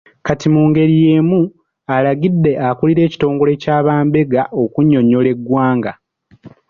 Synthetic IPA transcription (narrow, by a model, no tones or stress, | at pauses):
katimuːŋɡe̞ɾije̞ːmu | alaɡidːe̞ʔakuliɾe̞ːci̥to̞ːŋɡo̞le̞caːβaːmbe̞ɡaʔo̞kuɲːo̞ɲo̞le̞ɡwaːŋɡa